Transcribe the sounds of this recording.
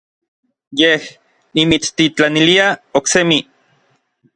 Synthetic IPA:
jeh | nimit͡st̪it͡ɬaniliaoksemi

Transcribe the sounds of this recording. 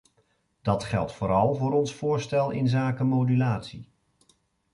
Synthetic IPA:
d̥ɑtχɛ̰lˠtfʊːɾɑlˠvʊːɾɔnsfʊːɹstɛlˠɪ̰nzaːkəmowdylaːtsi

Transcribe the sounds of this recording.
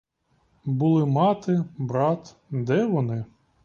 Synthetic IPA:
bʊlˠɪmɑt̪ɪbɾɑt̪ | d̪ɛʋɔnɪ

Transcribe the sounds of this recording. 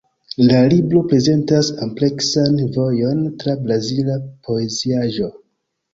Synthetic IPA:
lalibɾo̞pɾe̞ze̞ntasomple̞ksanvo̞jo̞ntɾabɾazilapʰo̞e̞ziaʒo̞

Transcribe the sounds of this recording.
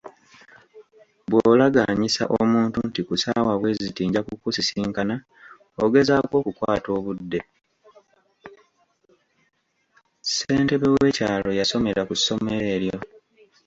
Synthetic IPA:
βwoːlaɡaːɲisa̰ʔomuːntuntikusaːwaβwe̞zitiːɲɟakukusisiːŋkana | oɡe̞zaːkwo̞ːkukwaːto̞ːβudːe̞ | seːnte̞βewe̞caːlo̞jaso̞me̞ɾakusːo̞me̞ɾe̞ːɾjo̞

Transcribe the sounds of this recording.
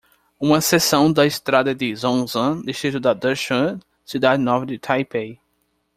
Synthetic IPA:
ũmɐsesɐ̃w̃d̪ɐɪst̪ɾad̪ɐd̪ɪzõzɐ̃d̪iʃt̪ɾit̪ʊd̪ɐd̪əʃɐ̃ | sid̪ad͡ʒɪnɔvɐd̪ɪt̪ʰajpej

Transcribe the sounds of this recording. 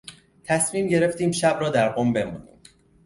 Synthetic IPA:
t̪ʰæsmiːmɟe̞ɾe̞ft̪iːmʃæbɾɒːd̪æɾɢombe̞mṵːnḭːm

